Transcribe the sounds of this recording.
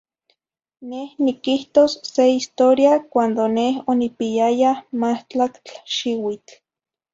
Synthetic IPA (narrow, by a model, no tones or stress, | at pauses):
nehnikiht̪osːeist̪oɾjakʷand̪onehonipijajamaht͡ɬakt͡ɬʃiwit͡ɬ